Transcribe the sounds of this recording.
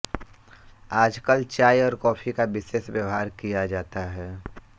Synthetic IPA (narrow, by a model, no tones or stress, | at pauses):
aːd͡ʒkəlt͡ʃaːjɔːɾkɔːfʰikabɪseːsʋjəʋɦaːɾkijad͡ʒaːt̪aɦɛː